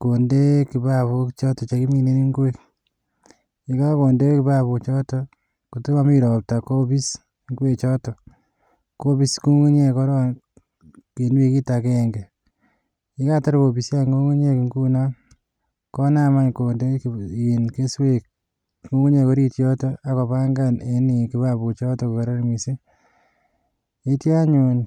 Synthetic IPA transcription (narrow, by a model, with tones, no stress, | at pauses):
ko˨nde˦ki˨ba˦βu˦kt͡ʃɔ˦tɔ˨t͡ʃe˨ki˦mi˨ne˦niŋɡe˨k | i˨ka˦ko˨nde˦e˦ki˨ba˦βu˨t͡ʃɔ˦tɔ | ko˨tu˦a˦mi˦ɾɔ˨p̚ta˨ko˦bi˦s | ŋɡwe˨t͡ʃɔ˦tɔ˨ | ko˦bi˦sku˦ŋu˦ɲe˦ko˦ɾo˦ | ke˨nwe˨ki˦ta˨ke˦ŋɡe˨ | i˦ka˦ta˦ɾbo˨bi˨sja˦ŋɡo˦ŋu˦ɲe˦kŋɡu˦na˦ | kɔ˦na˦ma˦ɲko˨nde˦ki˨nke˦swek̚ | ku˦ŋu˦ɲe˨ko˦ɾi˦tjɔ˦tɔ˦a˦ko˨pa˦ŋɡane˨ni˨ki˦βabu˨t͡ʃɔ˦tɔko˨ka˨ɾa˦ɾmise˦ | e˦tja˦ɲun